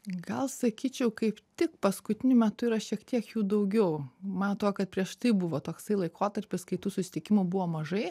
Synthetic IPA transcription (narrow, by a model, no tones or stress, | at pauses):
ɡɐlˠsɐkʲiːt͡ʃʲɛʊkɐɪpt̪ʲɪkpɐskʊt̪ʲɪnʲʊmʲɛt̪ʊiːɾɐʃʲiɛkt̪ʲiɛkjuːd̪ɐʊɡʲɛʊmɑnt̪oːkɐt̪̚pʲɾʲiɛʃt̪ɐɪbʊʋoːt̪oːksɐɪlˠɐɪkoːt̪ɐɾʲpʲɪskɐɪt̪uːsʊsʲɪ̥t̪ʲɪkʲɪmʊbʊʋoːmɐʒɐɪ